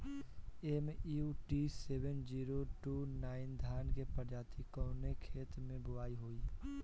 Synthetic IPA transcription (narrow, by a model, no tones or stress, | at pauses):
emiuʈiseːbənd͡ʒiːɾoʈuːnaːɪnd̪ʱaːnkepəɾd͡ʒaːt̪ikəʊnekʰeːt̪mẽbʊaːiɦoːi